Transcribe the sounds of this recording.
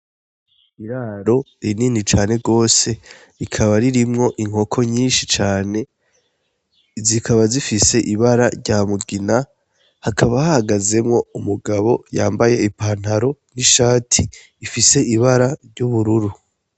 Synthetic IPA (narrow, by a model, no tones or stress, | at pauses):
iɾaːɾo̞ɾininit͡ʃaːne̞ɡo̞ːse̞ | ɾikʰaβaɾiɾimŋo̞ʔiŋ̥ho̞kʰo̞ɲiːnʃit͡ʃaːne̞ | zikʰaβazifise̞ʔiβaɾaɾɟaːmuɡina | hakaβahahaɡaze̞mŋo̞umuɡaβo̞jaːmbaje̞ipaːn̥haɾo̞niʃaːtʰiː | fise̞iβaɾaɾɟuβuɾuɾu